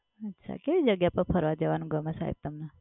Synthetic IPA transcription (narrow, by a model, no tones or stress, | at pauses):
ətːʃʰa̰keʋid͡ʒəɡjapəɾpʰəɾʋad͡ʒəʋanũɡəməsa̰ɦḭb̚t̪əmna